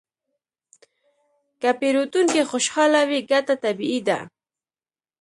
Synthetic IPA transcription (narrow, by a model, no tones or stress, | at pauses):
kapeɾut̪uŋkexoʃhɑlawiɡat̪at̪abiid̪a̰